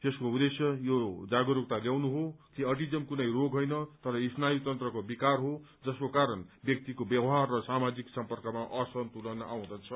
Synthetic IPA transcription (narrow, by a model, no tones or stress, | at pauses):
t̪eskoud̪esjʌjod͡zaɡoɾuk̚t̪aljawnuɦokiʌʈid͡zʌmkunʌjroɡʱɦojnʌt̪ʌɾʌisnajut̪ʌnt̪rʌkobikarɦo | d͡zʌskokaɾʌnbjʌk̚t̪ikobjʌbʌɦarːʌsamad͡ziksʌmpʌrkʌmaʔʌsʌnt̪ulʌnʌaw̃d̪at͡sʰʌ